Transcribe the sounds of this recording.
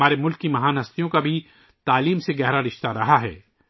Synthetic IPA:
aːɾemʊlkːimɐɦaːnɦɐst̪ijõkabʱi | t̪aːliːmseɡɛɦɾaɾɪʃt̪aɾɐɦaɦɛ̰ː

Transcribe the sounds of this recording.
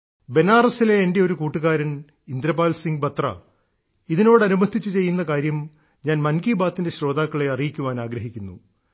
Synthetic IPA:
be̞naːrɐsile̞ːnde̞o̞ɾukuːʈːuɣaːɾɐn | ind̪ɾɐbaːlsiŋɡbɐt̪rɐ̰ | iðino̞ːɽɐnumɐd̪ʱːit͡ɕːɨt͡ɕe̞jːunːɐkaːɾjɐm | ɲaːnmɐnkiːbaːt̪ːinde̞ɕɾo̞ːd̪aːkːɐɭe̞ɐrijikʲːuʋaːnaːɡɾɐɦikʲːunːṵ

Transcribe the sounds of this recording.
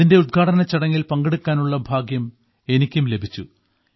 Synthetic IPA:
inde̞ud̪̚ɡʰʱaːʈɐnɐt͡ɕːɐɽɐŋːilpɐŋɡeɽukʲːaːnuɭːɐbʱaːɡjɐm | e̞nikʲːumle̞bʱit͡ɕːu

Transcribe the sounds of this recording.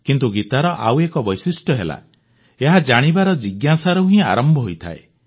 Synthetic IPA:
kint̪uɡit̪aɾɔʔawekɔbɔjsisʈjɔɦela̰ | eɦad͡ʒaɽ̃ibaɾɔd͡ʒiɡjasaɾɔɦĩa̰ɾɔmbʱɔɦojt̪ʰa̰ḛ

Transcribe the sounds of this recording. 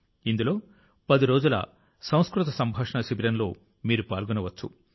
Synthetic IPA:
ind̪ulo̞ː | pɐd̪iɾo̞ːd͡ʒulɐ̰ | sɐ̃w̃skɾut̪ɐsɐmbʱaːʂɐɳɐʃibiɾɐnlo̞̰ː | miːɾupa̰ːlɡunɐʋɐt͡ʃːṵ

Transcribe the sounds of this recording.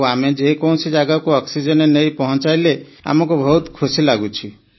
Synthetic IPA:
amed͡ʒekɔw̃sid͡ʒaɡakuɔksid͡ʒɔnenejpɔɦɔ̃nt͡ʃajlea̰mɔkubʱɔut̪kʰusilaɡut͡ʃʰi

